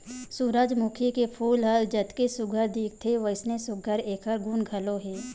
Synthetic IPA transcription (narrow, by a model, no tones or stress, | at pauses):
suɾaːd͡ʒmuːkʰikepʰuːlɦəld͡ʒɐt̪kesʊɡʱəɾd̪iːk̚ʰt̪ʰeʋəɪsnesʊɡʱəɾeːkʰəɾɡunɡʱəloɦɛː